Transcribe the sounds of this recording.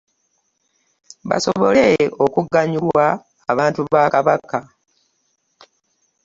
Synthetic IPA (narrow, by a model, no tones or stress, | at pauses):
βa̰soβoleokuɡːaɲulwaː | βaːntuβaːkaβaka